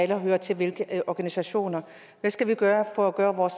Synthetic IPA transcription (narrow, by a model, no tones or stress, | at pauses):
ælɐɦøːɐt͡sʰe̝lʋe̝lɡ̥əʔʔɒːɡ̥ænisæɕo̝̰ːnɐ | ʋæsɡ̥æʋiɡ̥ɶːɐfɒ̽æɡ̥ɶːɐʋɒːs